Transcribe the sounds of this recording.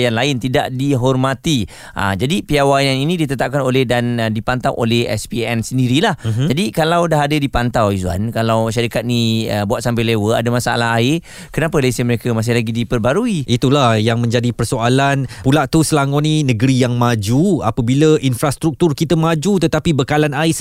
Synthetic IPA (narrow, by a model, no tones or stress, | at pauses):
janlaɪnt̪idaʔdiɦɔrmãt̪i | ʔa̰d͡ʒadipiawajaninĩdit̪ət̪ap̚kanolehdandipant̪awʔo̰lɛhɛ̰spiɛnsəndiɾilahd͡ʒadikalawdaɦadədipant̪awizua̰nkalawʃaɾikat̪̚niəbuat̪̚sampelewəa̰dəmasaa̰laɦaɪr | kənapəlesəməɾekəmas̬ɪhlaɡidipərbaɾuiʔit̪ulahjaŋmə̃ɲd͡ʒadipərsoalanpulaʔt̪usəlaŋɔninəɡəɾijaŋmad͡ʒua̰pəbiləʔinfɾast̪ɾuk̚t̪urkit̪əmad͡ʒut̪ət̪apibəkalanaɪs